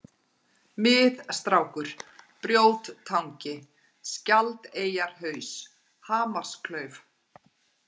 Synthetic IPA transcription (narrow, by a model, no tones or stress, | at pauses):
mɪːðst̪ɾawkʏɾ̥pɾjoːwt̪t̪ʰːawɲcɪ | scalt̪eːjaɾ̥hœːɥs | haːmar̥skʰlœɥv